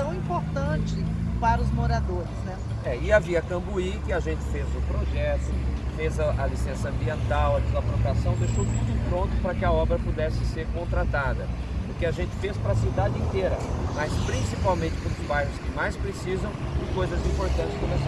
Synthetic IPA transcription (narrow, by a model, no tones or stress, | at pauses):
t̪ɐ̃w̃ĩpoɾt̪ɐ̃t͡ʃɪpaɾɐʊzmoɾad̪oɾɪznɛ | ɛɪaviɐkɐ̃mbuikɪaʒẽnt͡ʃɪ̥fezʊpɾoʒɛt̪ʊfezɐʔɐlisẽsɐɐ̃mbiẽnt̪awɐd̪ɪzapɾopɾasɐ̃w̃p̪eʃowt̪ud̪ʊpɾõnt̪ʊ̥pɾɐkɪɐɔbɾɐpud̪ɛsɪseɾkõnt̪ɾat̪ad̪ɐ | ʊkɪaʒẽnt͡ʃɪ̥fespɾɐasid̪ad͡ʒɪĩnt̪eɾɐmɐspɾĩsipawmẽnt͡ʃɪ̥põɾʊzbajɦʊskɪmajspɾesizɐ̃w̃d͡ʒɪkojzɐzĩpoɾt̪ɐ̃nt͡ʃɪ̥skõmes